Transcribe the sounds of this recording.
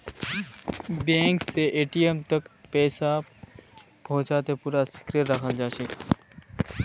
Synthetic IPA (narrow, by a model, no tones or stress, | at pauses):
bẽːŋkseʔeːʈijemt̪əkpɛːsa | pɔ̃ːt͡ʃaːt̪epuːɾasi̥kɾeʈɾəkʰəld͡ʒaːsək